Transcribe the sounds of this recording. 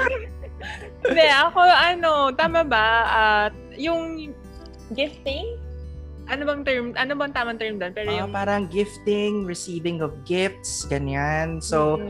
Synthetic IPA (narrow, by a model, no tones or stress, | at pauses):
ɪd̪ɛʔɐko̞ʔɐno̞t̪aːmɐbɐʔɐt̪̚jʊŋ | ɡɪft̪ɪŋ | ʔɐnobɐŋt̪ɛɹmʔɐnobɐŋt̪aːmɐŋt̪ɛɹmd̪onpɛːɾojʊŋpaːɾɐŋɡɪft̪ɪŋɹɪsiːvɪŋɔfɡɪft̪sɡ̥ɐɲanso